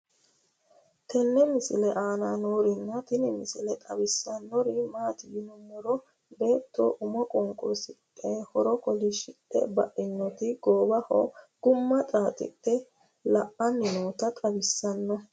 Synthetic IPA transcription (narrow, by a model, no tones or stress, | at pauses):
t̪ʰɛnːɛmɪsɪlɛʔaːnanoːɾɪnːɐt̪ɪnɪmɪsɪlɛt̪ʼɐbɪsːɐnːɔɾɪmaːt̪ɪjɪnʊmːɔɾɔ | be̞ːt̪ːo̰ːʔʊmɔkʼɔŋkʼʊɾsɪkʼːɛhɔɾɔkɔlɪʃɪtːɛ̰bɐʔɪnːɔt̪ɪɡ̥oːbɐhɔ̰ɡ̥ʊmːɐt̪ʼaːt̪ʼɪ̰tʼːɛ | lɐʔɐnɪnoːt̪ɐt̪ʼɐbɪsːɐnːɔ